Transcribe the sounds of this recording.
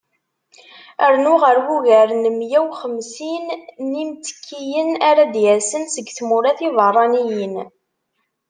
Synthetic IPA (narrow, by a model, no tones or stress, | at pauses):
əɾnʊʁəɾwuʝæɾnəmjæwχəmsinnimt͡sə̥kʰːijənaɾad̪jæsənsəɡθmʊɾæθivərˤːɑnijən